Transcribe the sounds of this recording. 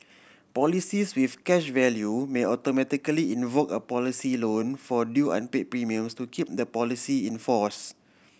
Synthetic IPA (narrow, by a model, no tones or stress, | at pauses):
pɔlisiswifkɛʃvɛljumeɔtomɛtikəliĩnvokəpɔlisilõnfɔdjuʔã̰npepɹimiə̃mstukʰip̚d̪əpɔlisiĩnfɔs